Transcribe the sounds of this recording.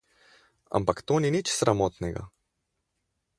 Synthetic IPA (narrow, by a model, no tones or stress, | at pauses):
a̰mpakt̪oːninit͡ʃsɾamoːt̪nɛɡa̰